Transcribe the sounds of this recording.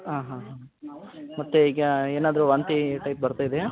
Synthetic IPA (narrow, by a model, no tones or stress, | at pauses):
ɦaːɦãɦa | mɐt̪ːeiːɡɐeːnaːd̪ɐɾuʋɐnt̪iʈɐjp̚bɐɾt̪aːjid̪e